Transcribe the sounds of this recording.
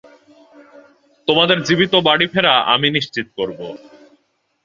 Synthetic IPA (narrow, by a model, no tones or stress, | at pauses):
t̪omad̪eɾd͡ʑibit̪obaɽifʰeɾaʔa̰miniʃt͡ɕit̪okoɾbo